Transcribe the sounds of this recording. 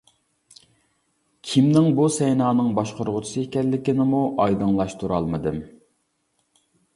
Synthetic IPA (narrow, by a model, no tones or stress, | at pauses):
kʲʰimnɪŋbusɛjnɑːnɨŋbɑʃqəɾʁʊt͡ʃʰu̥sɨɪkʲɛlːɪkʲɪnɪmuʔɑjd̪ɨŋlˠɑʃt̪ʰuɾɑlˠmɨd̪ɨm